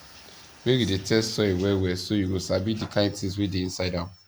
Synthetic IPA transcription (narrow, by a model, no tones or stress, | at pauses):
weɡidetɛstsɔewɛwɛsojuɡosabidikʰãtis̬widiĩnsaɪdam